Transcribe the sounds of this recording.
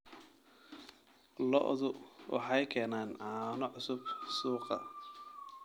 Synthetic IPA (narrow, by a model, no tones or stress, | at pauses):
lɔ̰ʔðʊwʔɑ̰ħɑjkʰɛːnaːnʕɑːnɔʕʊsʊbsuːqɑ̰